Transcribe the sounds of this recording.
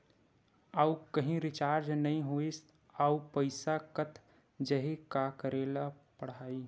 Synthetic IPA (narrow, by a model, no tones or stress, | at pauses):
aːukəɦĩɾɪt͡ʃaːɾd͡ʒnəɦĩɦois | aːupəɪsakət̪ʰ | d͡ʒəɦikakəɾeːlapəɽ̤aːi